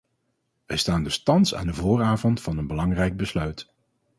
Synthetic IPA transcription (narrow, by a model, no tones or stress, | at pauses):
ʋɛɹstaːndɵstɑnsa̰ːndəvʊːraːvɔntfɑnənbəlɑŋrɛjɡ̚bəslœɥt